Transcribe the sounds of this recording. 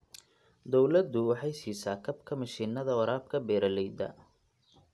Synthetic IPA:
d̪ɔwlɐd̪ʊwɑħɑjsiːsaːkʰɐbkʰɐmɐʃiːnːɐðɐwɐɾaːb̚kʰɐbɛːɾɐlɛjd̪ɐ̰

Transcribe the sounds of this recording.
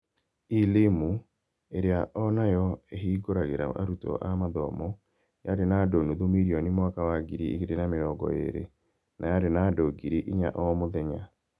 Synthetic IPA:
ilemu | eɾeaʔɔnajɔeɦiːɡoɾaɣeɾa̰ʔa̰ɾutɔ̰ʔamaðɔmɔ | jaɾenadonuðomiɾiɔnimwakawaɡiɾiḭɣeɾenameɾɔɡɔ̰ḛɾḛ | nʔajaɾenaːdoɡiɾiʔiɲa̰ʔɔmoðɛɲa

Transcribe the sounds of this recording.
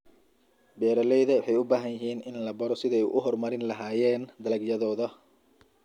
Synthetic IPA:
bɛːɾɐlɛjðɐwɑħɑjʊbaːɦɐnjɪɦiːnʔɪnlɐbɐɾɔsɪðɛjʔʊ̰ɦɔrmɐɾɪnlɐɦaːjɛːnd̪ɐlɐɡjɐðɔːðɐ

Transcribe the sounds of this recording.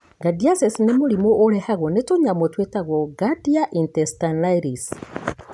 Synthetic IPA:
ɡadiasɛsinemoɾimoʔːɾɛhaɣɔnetoɲamotwetaɣwɔɡadiaʔintɛstanaiɾis

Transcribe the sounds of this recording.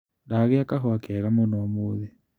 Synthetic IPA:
daɣeakaɦɔakɛaɣamonoamoðe

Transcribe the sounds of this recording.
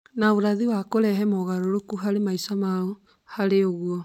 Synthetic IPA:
naoɾaðiwakoɾɛɦɛmɔɣaɾoɾokuɦaɾemaisamaɔ | haɾeoɣwɔ

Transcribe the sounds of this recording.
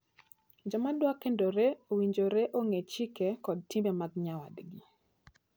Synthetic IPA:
d͡ʒɔmadwakendoɾeowiɲd͡ʒoɾeʔoŋet͡ʃikekɔd̚tɪmemaɡɲawa̰dɡi

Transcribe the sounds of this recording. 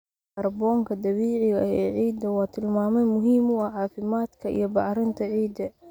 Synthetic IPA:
ɐrbɔːŋkʰɐd̪ɐβiːʕɪɣɐɛːʕiːd̪ɐwɑːt̪ʰɪlmaːmɛjmʊɦiːmʊɐʕɑːfɪmaːd̪kʰɐḭjɞbɑʕɾɪnt̪ʰɐʕiːd̪ɐ

